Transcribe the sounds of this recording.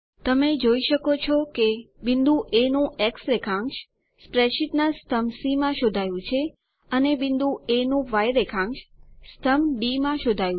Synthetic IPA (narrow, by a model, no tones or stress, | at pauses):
t̪əmed͡ʒoiʃəkot͡ʃʰɔkebind̪ũʔenũʔeksɾekʰãŋɡʃ | spɾeʃiʈ̪nast̪ʰəmsimãʃod̪ʱajũt͡ʃʰe | ənebind̪ʱũenũʋajɾekʰãŋɡʃst̪ʰəmɖimãʃod̪ʱajũ